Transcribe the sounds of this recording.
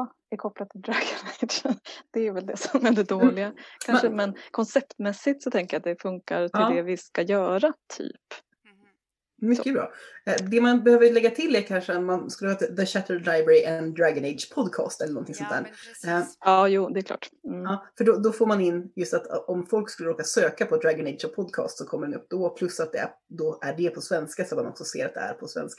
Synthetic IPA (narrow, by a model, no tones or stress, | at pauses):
ɛɾkʰɔplad̪̚t̪ʰɪld̪ɾaɡɔned̪ʂənd̪̥ɛvɛld̪ɛsɔmæɖ̪ɛd̪oːlɪɡakʰanʂəmɛnkʰɔnsɛpt̪mɛsːɪt̪sɔt̪ʰɛŋkəjat̪̚d̪ɛfɵŋkaɾt̪ʰɪld̪ɛvɪskajœːɾat̪ʰy̰ːp | mʏkːəbɾɑ̰ːd̪ɛmanbɛhøːvəɭɛɡːat̪ʰɪlːɛɾkʰanʂəat̪manskɵlːəhɑːt̪ɪðəɕæt̪ʰəlaɪbɛɾɪʔɛnd̪ɾaɡɔnɛɪd̪ʂpʰɔd̪kʰɑ̰ːst̪ɛlənɔnt̪ʰɪŋsɔnt̪æːɾ | ɑːjuːd̪ɛkʰlɑ̰ːʈɑːfœɖɔd̪ɔfoːɾmanɪnːjɵst̪at̪ɔmfɔlkskɵlːəɾoːkasøːkapʰɔd̪ɾaɡɔnɛɪd̪ʂɔpʰɔd̪̚kʰɑ̰ːst̪sɔkʰɔmːəɖɛnɵ̰p̚ːd̪ɔpʰlɵsːat̪̚d̪ɛæ̰ɾ | d̪ɔʔæɖɛpʰɔsvɛnskasɔt̪manɔ̰ksɔsḛːɾat̪̚d̪ɛ̰æ̰ɾpʰɔsvɛ̰nskḁ